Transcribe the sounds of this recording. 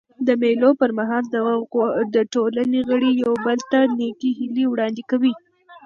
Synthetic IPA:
d̪əmelopəɾmaɦɑld̪ | d̪əʈolaneɣəɽijawbəlt̪anekiɦɪliwɽɑnd̪ɪkawi

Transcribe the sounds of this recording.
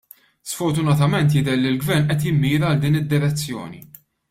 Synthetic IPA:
sfɔɾt̪ʊnɐt̪ɐmɛnt̪jɪd̪ɛɾlɪlɡvɛɾnʔɛt̪jɪmːiːɾɐːld̪iːnɪd̪ːɪɾɛt͡sːjɔ̰ːnḭ

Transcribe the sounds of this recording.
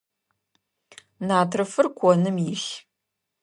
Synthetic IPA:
naːtʰrɨfɨrkʷʰɔnɨmjɪɬ

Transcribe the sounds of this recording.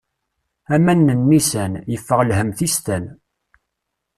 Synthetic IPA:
æmænːənːisænjəfːəʁlɦəmθist̪æn

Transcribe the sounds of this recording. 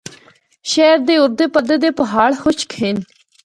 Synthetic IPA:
ʃɛːɾd̪eːʊɾd̪eːpəd̪ed̪eːpɐɦaːɽhʊʃkʰɪn

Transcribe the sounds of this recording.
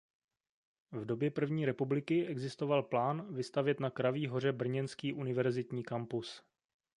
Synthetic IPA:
vdo̞bjɛpr̩vɲiːɾɛpublɪkɪʔɛɡzɪst̪o̞valplaːnvɪst̪avjɛt̪nakɾaviːɦo̞r̝ɛbr̩ɲɛnskiːʔunɪvɛɾzɪt̪ɲiːkampus

